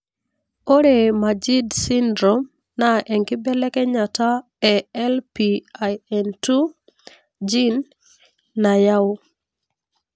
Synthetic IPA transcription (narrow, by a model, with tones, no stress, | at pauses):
o˦ɾe˨ma˨d͡ʒi˦dsi˦ndɾɔ˨m | na˨ʔɛ˨ŋkɪ˦bɛ˦lɛ˦kɛ˦ɲa˨ta˦ | ɛɛ˦lpiajɛ˨ntu˦ | d͡ʒi˦nː | a˨ja˦